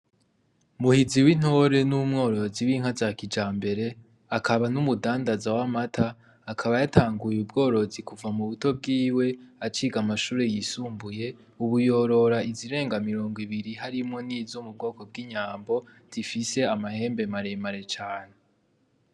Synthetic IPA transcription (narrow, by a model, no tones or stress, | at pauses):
muhiziwin̥ho̞ɾe̞numŋo̞ːɾo̞ziwiŋ̥hazakid͡ʒaːmbe̞ɾe̞ | akʰaβanumudaːndazawamatʰaː | kʰaβajatʰaːŋɡujubɡo̞ːɾo̞zikuvamuβuto̞b̚ɡiːwe̞at͡ʃiɡamaʃuːɾe̞jiːsuːmbuje̞ | uβujo̞ɾo̞ɾaiziɾe̞ːŋɡamiɾo̞ːŋɡwiβiɾiɦaɾimŋo̞nizomub̚ɡo̞ːko̞b̚ɡiːɲaːmbo̞ | z̥ifise̞amahe̞ːmbe̞maɾe̞maɾe̞t͡ʃaːne̞